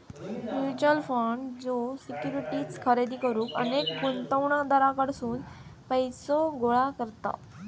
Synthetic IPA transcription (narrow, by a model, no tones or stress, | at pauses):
ut͡ɕəlfaɳɖd͡zosikjuɾiʈiːt͡skʰəɾed̪ikəɾũːkənekɡunt̪əwɳ̃ad̪aɾakəɽsuːnpəjsoɡoɭakəɾt̪a̰